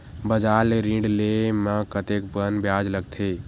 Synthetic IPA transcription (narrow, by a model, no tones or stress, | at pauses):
bəd͡ʒaɾleɾĩɳɖlemãkət̪ekbənbjaːd͡ʒləɡt̪ʰe